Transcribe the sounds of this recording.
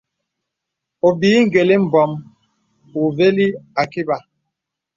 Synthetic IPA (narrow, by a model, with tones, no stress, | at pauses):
o˨biː˨˦ŋ̩˦ɡe˨li˦m̩˨bɔ˨m | u˨ve˦li˦a˨ki˦ba˨